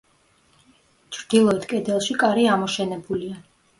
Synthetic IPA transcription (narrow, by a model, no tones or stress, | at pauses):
t͡ʃʰɾd̪̥ilˠɔɛt̪ʰkʼɛd̪ɛlˠʃikʼaɾiamɔʃɛnɛbulia